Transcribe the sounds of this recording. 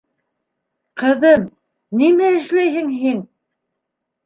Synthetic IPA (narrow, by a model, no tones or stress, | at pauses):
qɤ̆ðɤm | nimæɘ̆ʃlæjhɘŋɦin